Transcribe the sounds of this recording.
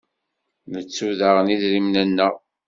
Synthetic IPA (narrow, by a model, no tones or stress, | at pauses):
mət͡sːuðaʁəniðɾimnænːəʁ